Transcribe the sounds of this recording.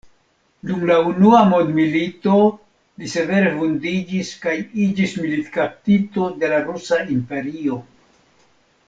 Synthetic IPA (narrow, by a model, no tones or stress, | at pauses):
dumlaunuamod̪milito̞ | lise̞ve̞ɾevundid͡ʒiskajid͡ʒismilit̪kap̚tit̪o̞de̞laɾusaimpe̞ɾio̞